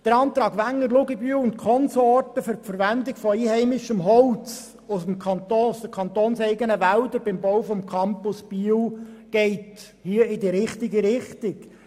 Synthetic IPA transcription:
d̪̥əɾɑːnt̪ɾɑːɡʋæŋːəɾlʊɡəbyːwʊntkʰɔnsoɔrtəfyɾpfəɾʋænd̪ɪɡfɔiːhɛɪmɪʃəmɦɔwt͡s | ʊsəm̩kʰɑnt̪oːsd̪əkʰɑnt̪oːnsɛɪɡənəʋæld̪əɾbɪmbɔwfɔmkʰɑmpʊsb̥yəwɡ̥ɛɪt | hiəɪdiɾɪχtɪɡəɾɪχtɪk

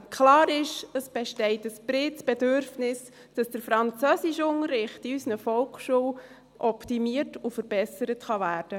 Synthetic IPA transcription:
kʰlɑːɾɪʃəsb̥ɛʃtɛɪtəsb̥ɾɪt͡sb̥ɛdøɾfnɪs | d̥ɑsd̥əɾfɾɑnt͡sœsɪʃʊŋəɾːɪχtiysnəfɔlkʃuw | ʔɔptimiəɾtufəɾb̥ɛsəɾətχɑvæːɾd̥ə

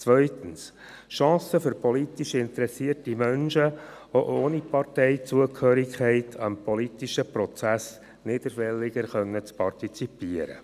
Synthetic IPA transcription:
t͡sʋœʏt̪əns | ʃɑ̃ːsəfʏɾpɔlit̪iʃɪnt̪əɾɛsiərtimœnʃə | oʔoːnipɑrtɛɪt͡suəkʰhøːɾikʰɛɪtʰɑmpʰɔlitiʃəpɾɔt͡sæs | nɪd̪əɾfɛlːɪɡəɾχœnːət͡spʰɑrtit͡sipiəɾə̰

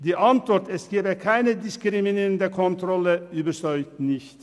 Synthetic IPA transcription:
d̪iːʔɑnt̪ʋɔɾt̪ɛsɡ̥eːbəkʰæɪnəd̪ɪskɾɪmɪniːɾənd̪əkʰɔnt̪ɾɔləyːbəɾsœʏt̪nɪçt̪

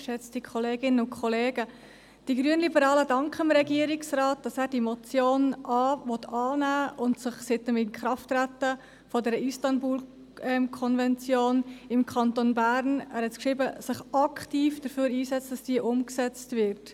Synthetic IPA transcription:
ʃɛt͡std̥ikʰɔleːɡɪnənʊnkχɔleːɡ̥ə | d̥iɡɾyənlibəɾɑːlədɑŋkχəmɾɛɡiəɾɪksrɑːt̚d̥ɑsæːɾd̥imɔt͡sjoːnʔɑːvɔtʰɑːnæːʊntsɪχsɪtəmɪnkχɾɑftɾætːə | fɔdɛːɾəʔistɑnbuːl | ɛmkʰɔnvɛnt͡sjoːnɪmkʰɑntonbæːɾnæ̰ːɾhɛtkʃɾɪbəsɪχɑkχtiːfd̥əɾføːɾiːsɛt͡std̥ɑsd̥iəʔʊmksɛt͡stvɪɾt

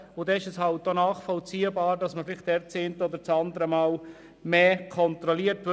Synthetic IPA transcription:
ʊd̥̪ɛɪʃɛshɑlt̚donɑːχfɔlt͡siːəbɑːɾdɑsməfɪlɪχt̚d̥ɛɾt͡seːntəod̪əɾt͡sɑnd̪əɾəmɑːl | meːkʰɔnt̪ɾɔliəɾtʋ

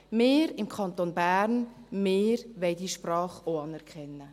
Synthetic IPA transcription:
meːɾɪmkʰχɑnt̪onbæːɾnmeːɾʋɛɪdiːʃprɑːχoɑnɛɾkʰχɛnːə

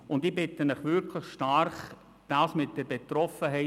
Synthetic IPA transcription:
ʊndiːbɪtːəmɪχʋʏɾkʰləχʃtarχ | d̥aːsmɪt̚dɛɾbetrɔfəɦɛɪ

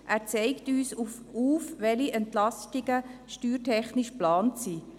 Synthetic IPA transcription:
ʔæːɾt͡sɛɪktyːsuf | uːfʋɛliʔɛntlɑstɪɡəʃtyːɾtʰɛχnɪʃplɑːntsiː

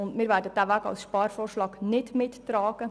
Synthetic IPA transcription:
ʊndmɪːɾʋæːɾdəd̥æːʋæːɡɑ̰lsʃpɑːɾfɔːrʃlɑːɡnɪdmɪttɾɑːɡ̥ə

